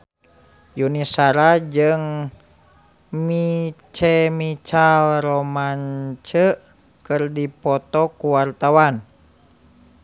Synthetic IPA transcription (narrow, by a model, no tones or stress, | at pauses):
junisaɾad͡ʒɨŋ | mit͡ʃɛmit͡ʃalrɔmaɲt͡ʃə | kɨrdipɔt̪ɔkuwart̪awan